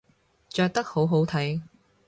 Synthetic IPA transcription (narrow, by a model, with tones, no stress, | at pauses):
t͡ʃœː˧k̚t̪ɐ˥k̚ho˨˥wɦo˨˥wt̪ʰɐ˨˥j